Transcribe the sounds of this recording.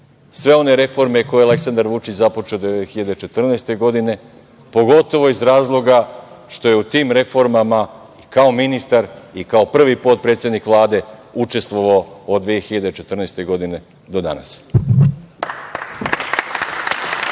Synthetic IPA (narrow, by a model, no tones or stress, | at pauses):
sʋe̞o̞ne̞ɾe̞fo̞ɾme̞ko̞jeale̞ksand̪aɾʋut͡ʃit͡ɕzapo̞t͡ʃeod̪xiʎad̪e̞t͡ʃe̞t̪r̩nest̪e̞ɡo̞d̪ine̞ | po̞ɡo̞t̪o̞ʋo̞izɾaːzlˠo̞ɡaʃt̪o̞jeut̪iːmɾe̞fo̞ɾmama | ikao̞minist̪aɾikao̞pr̩ʋipo̞t̪̚pɾet̪sʲjed̪nikʋlˠaːd̪e̞ut͡ʃe̞st̪ʋo̞ʋaood̪ʋijexiʎad̪e̞t͡ʃe̞t̪r̩neːst̪e̞ɡo̞d̪ine̞ | d̪o̞d̪a̰na̰s